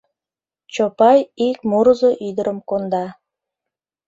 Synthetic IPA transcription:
t͡ɕopɑjik̚muɾəzoʔyd̪əɾʔə̆mkond̪ɑ

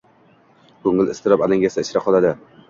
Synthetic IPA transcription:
kʰoŋɪlɪst̪ɪɾɒpalɪŋɡʲasaɪʃɾaqʰɒlˠad̪ɪ

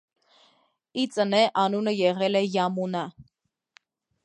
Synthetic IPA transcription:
it͡sənɛʔɑnunəjɛʁɛlɛjɑmunɑ

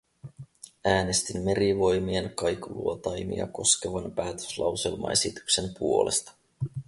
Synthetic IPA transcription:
æːne̞st̪imːe̞ɾiʋo̞jmie̞nkɑjkulṵot̪ɑjmḭɑ̰ko̞ske̞ʋɑnpæːt̪ø̥slɑ̰wse̞lmɑ̰e̞sit̪y̥kse̞mpuo̞le̞st̪ɑ̥

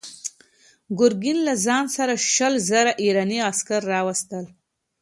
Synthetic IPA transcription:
ɡʊɾɡɪnlazɑnsaɾaʃəlzaɾaʔiɾɑniaskaɾːɑwast̪əl

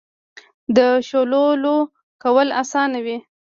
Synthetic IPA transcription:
d̪əʃololo | kawəlasɑnawi

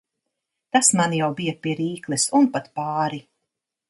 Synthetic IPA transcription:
t̪asmanjawbijɐpiɛɾiːklˠɨsunpat̪paːɾi

